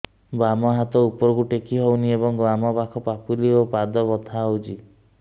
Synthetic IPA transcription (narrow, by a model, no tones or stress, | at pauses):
bɾamɔɦat̪ɔupɔɾɔkuʈekiɦowniebɔŋɡɾamɔpakʰɔpapuliopad̪ɔbɔt̪ʰaːwd͡ʒi